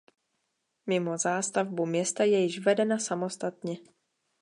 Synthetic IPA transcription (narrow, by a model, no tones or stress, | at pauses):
mɪmo̞zaːst̪avbumɲɛst̪ajɛjɪʃvɛdɛnasamo̞st̪at̪ɲɛ